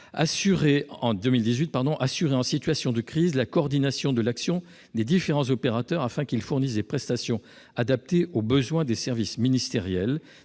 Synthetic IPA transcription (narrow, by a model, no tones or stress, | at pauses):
a̰syʁeɑ̃d̪əmild̪izɥit̪̚paʁd̪ɔ̃ʔasyʁeɑ̃sit̪ɥasjɔ̃d̪əkχizlakɔːʁd̪inasjɔ̃d̪əlaksjɔ̃ | d̪ed̪ifeʁɑ̃zɔpeʁat̪œʁafɛ̃kilfuʁnis̬d̪epχɛst̪asjɔ̃ | ad̪ap̚t̪eʔobəzwɛ̃d̪esɛʁvisminist̪eʁjɛl